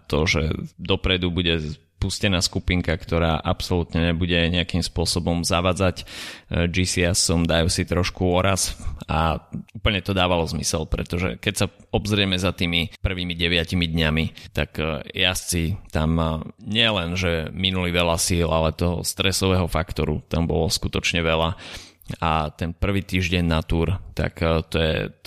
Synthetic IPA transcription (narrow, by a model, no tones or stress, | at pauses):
t̪ɔʒɛ̰d̪ɔpɾɛd̪ubuɟɛ | puscɛnaːskupiŋkakt̪ɔɾa̰ːʔapsɔlut̪ɲɛɲɛbuɟɛɲɛakimspʊɔsɔbɔmzaʋaːd͡zac | d͡ʒisiasɔmd̪ajusit̪ɾɔʃkuɔɾasauːpl̩ɲɛt̪ɔd̪aːʋalɔzmḭsɛlpɾɛ̰t̪ɔʒɛ̰kɛcsaɔbzɾɪɛmɛzat̪iːmipr̩ʋiːmiɟɛʋɪacimid̪ɲamit̪akjast͡sit̪amɲɪɛlɛnʒɛminuliʋɛlasiːlalɛt̪ɔɦɔ̰st̪ɾɛsɔʋɛːɦɔfakt̪ɔɾṵt̪ambɔ̰lɔskut̪ɔt͡ʃɲɛʋɛla | at̪ɛnpr̩ʋiːt̪iːʒɟɛɲnat̪uɾt̪a̰kt̪ɔjɛ̰